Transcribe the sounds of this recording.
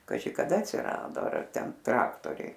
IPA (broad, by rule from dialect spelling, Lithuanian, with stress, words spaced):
kɐˈʒʲɪ kɐˈdɐ ɐtʲsʲɪˈrɑːdoː ˈɐr ˈtʲɛn ˈtrɑːktoːrʲɛɪ